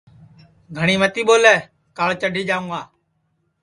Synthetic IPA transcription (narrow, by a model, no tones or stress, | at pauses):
ɡʱəɳ̃iːmət̪iːɓoːlɛː | kaːɭt͡ʃəɖʱiːd͡ʒaːũːaː